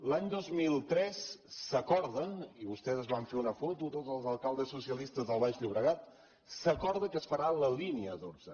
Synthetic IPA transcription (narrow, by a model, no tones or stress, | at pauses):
laɲd̪ozmilˠt̪ɾɛsːəkɔɾðəniβust̪ɛzəzβaɱfeunəfɔt̪ut̪ozəlˠzəlˠkalˠd̪əsːusiəlist̪əzðəlˠβaʒʎuβɾəɣat̪ | səkɔɾðəkəsfəɾaləliniəːt̪oɾzə